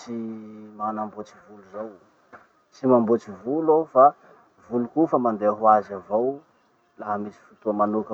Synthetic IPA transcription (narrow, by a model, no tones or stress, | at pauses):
t͡simanambot͡si̥vuluzaw | t͡simambot͡sivulawfa | vulukufəmand̪eaɦuazavow | laɦamisi̥fut̪umanukə